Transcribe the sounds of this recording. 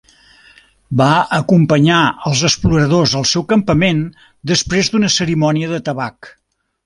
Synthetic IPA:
baəkumpəɲaəlˠzəspluɾəðozəlˠsɛwkəmpəmen | d̪əspɾezd̪unəsəɾimɔniəðət̪əβak

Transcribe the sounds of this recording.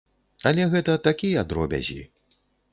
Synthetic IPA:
ɐlʲɛɣɛt̪ɐt̪akʲijɐad̪ɾɔbʲɐ̰zʲḭ

